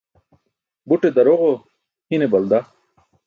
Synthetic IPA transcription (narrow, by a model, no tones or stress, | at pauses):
buʈed̪ɐɾoʁo | hinebɐld̪a